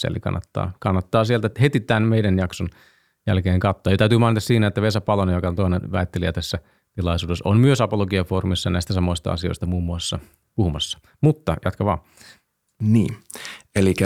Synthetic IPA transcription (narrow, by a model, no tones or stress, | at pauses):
sḛlḭkɑ̰nːɑt̪ːɑ̰ːkɑnːɑt̪ːɑːsielt̪æhet̪it̪ænmeidænjɑkson | jælkeːŋkɑt̪ːoːjot̪æyt̪ymɑinit̪ɑsiːnæet̪ːæʋesæpɑlonjokɑnt̪oinenʋæ̰it̪ːeliæt̪æsːæ | t̪ilɑisuːdesommyøsɑpoloɡiɑfoːrumisːɑnæˑist̪æsɑmoist̪ɑ̰ɑ̰sio̰ist̪ɑmuːmːuɑsːɑ | puhumɑsːɑ̥ | mut̪ːɑjɑ̰t̪kɑʋɑ̰ː | nḭːelikæ